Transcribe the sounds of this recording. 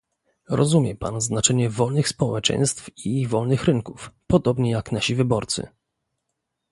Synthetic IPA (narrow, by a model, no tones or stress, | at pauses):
ɾɔzumʲjɛpa̰nznat͡ʂɛɲɛvɔlnɘxspɔwɛt͡ʂɛ̰̃j̃st̪fivɔlnɘxɾɘŋkufpɔd̪ɔbɲɛjaknaɕivɘbɔɾt̪sɘ̰